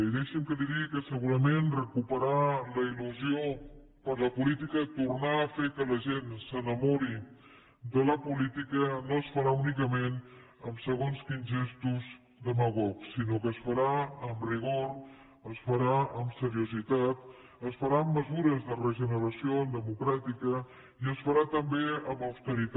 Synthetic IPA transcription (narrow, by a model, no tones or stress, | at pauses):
iðɛʃəmkəd̪iɾikəsəɣuɾəmenrəkupəɾaləiluzio | pəɾləpulit̪ikət̪urnaːfekələʒensənəmoɾi | d̪ələpulit̪ikənoəsfəɾaunikəmen | əmsəɣonskinʒɛst̪uz | d̪əmaɣɔksinokəːsfəɾaəmriɣ̞oɾ | əsfəɾaəmsəɾiuzit̪at̪ | əsfəɾaəmːəzuɾəzðərəʒənəɾəsioənd̪əmukɾat̪ikə | iəsfəɾat̪əmbeəməwst̪əɾit̪